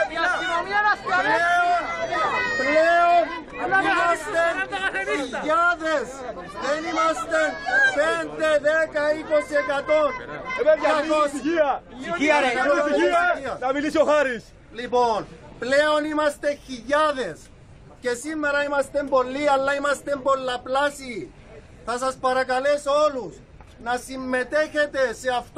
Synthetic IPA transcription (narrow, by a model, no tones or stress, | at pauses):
pleonpleon | imɐst̪eniʎaðe̞s | ðenimɐst̪enpend̪eðekɐikosiekɐt̪oneaos | iɐnɐmilisioxaɾis | lipo̞npleo̞nimɐst̪e̞çiʎaðe̞s | ce̞simːeɾɐimɐst̪e̞mbo̞lːiɐlːɐimɐst̪e̞mbo̞lːɐplasi | θɐsɐspɐɾɐkɐle̞so̞lus | nɐsimːe̞t̪e̞çe̞t̪e̞se̞ɐft̪